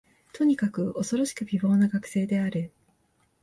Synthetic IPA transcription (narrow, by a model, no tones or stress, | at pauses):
t̪ʰo̞ɲ̟ikakɯ̟o̞so̞ɾo̞ɕi̥kɯ̟bʲibo̞ːnaɡakɯ̟̥se̞ːd̪e̞aɾɯ̟